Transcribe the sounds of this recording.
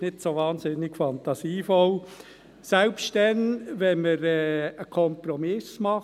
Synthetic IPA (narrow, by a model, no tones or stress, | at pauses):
nɪtsoʋɑːnsɪnːɪɡfɑnt̪ɑsiːfɔl | sɛlpstdɛnʋɛnməɾɛːəkʰɔmpɾɔmɪsmɑ